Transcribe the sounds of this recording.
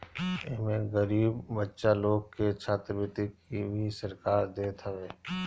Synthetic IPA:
ɪmẽɡəɾiːbbətːʃaloːɡ̚ket͡ʃʰaːt̪ɾəbɪt̪ikibʱisɐɾkaːɾd̪eːt̪ʰəʋeː

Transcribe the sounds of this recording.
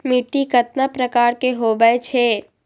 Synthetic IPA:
miʈːikɐt̪nəpɾɐkaːɾkeɦoːbəet͡ʃʰeː

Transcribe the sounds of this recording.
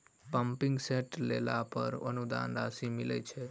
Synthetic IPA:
pəmpĩŋɡseʈlḛlapəɾə̰nud̪a̰nɾasimilət͡ʃʰe

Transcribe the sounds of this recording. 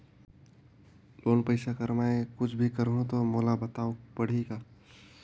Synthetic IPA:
loːnpəɪsakəɾmaekʊt͡ʃʰbʱikəɾɦõt̪omoːlabət̪aːopəɽ̤ikaː

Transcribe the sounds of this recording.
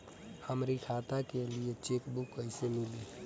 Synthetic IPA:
həmɾikʰaːt̪akeliet͡ʃeːkbʊkːəɪsemɪliː

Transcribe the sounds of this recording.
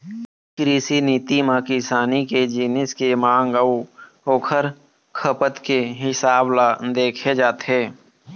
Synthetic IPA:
kɾiːsiniːt̪imãːkɪsaːniked͡ʒiːnɪskemãːŋɡəw | oːkʰəɾ | kʰəpət̪keɦɪsaːblad̪eːkʰed͡ʒaːt̪ɦeː

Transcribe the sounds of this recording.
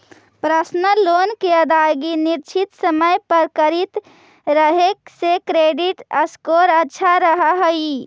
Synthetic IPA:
pɾəsnəlonkeəd̪ajɡiniɾt͡ʃʰit̪səməjpəɾkəɾit̪ | ɾəɦeksekɾeɖiʈəskoɾətːʃʰaɾəɦəɦəi

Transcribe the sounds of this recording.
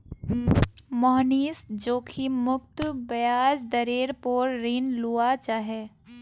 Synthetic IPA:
mɔɦniːsd͡ʒoːkʰimʊkt̪bɐjaːd͡ʒd̪ɐɾeːɾpoːɾːiːnluːat͡ʃaːɦɛː

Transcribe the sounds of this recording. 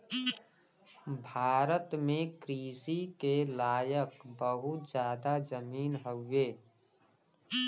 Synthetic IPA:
bʱaːɾət̪mẽkɾiːsikelaːjəkbəɦʊt̪d͡ʒjaːd̪ad͡ʒəmiːnɦəːeː

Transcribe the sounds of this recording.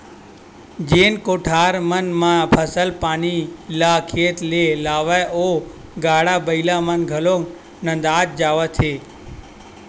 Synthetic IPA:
d͡ʒeːnkoːʈʰaːɾmənmãpʰəsəlpaːnilakʰet̪lelaːʋajo | ɡaːɽabəilamənɡʱəloŋ | nə̃nd̪aːt̪̚d͡ʒaʋət̪ʰe

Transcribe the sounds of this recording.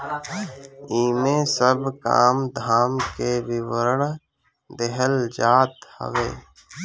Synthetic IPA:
iːmẽːsəbka̰ːmd̪ʱaːmkebiwəɾəɽ | d̪eɦəld͡ʒaːt̪hə̰ʋḛː

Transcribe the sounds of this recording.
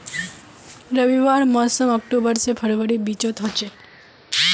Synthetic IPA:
ɾəʋiʋaɾmɔsəmɔk̚ʈubəɾsepʰəɾʋəɽibit͡ʃot̪ʰət͡ʃe

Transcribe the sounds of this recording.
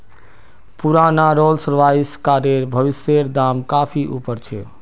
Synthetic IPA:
puɾanaɾolsəɾʋaiskaɾeɾbʱəʋiseɾd̪amkapʰiʔupəɾt͡ʃʰe

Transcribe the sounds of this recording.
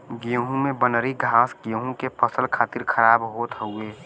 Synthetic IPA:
ɡiəɦũmẽbənəɾiɡʱaːsɡijəɦũkepəsəlkʰaːt̪ɪɾkʰəɾaːbɦoːt̪ɦəueː

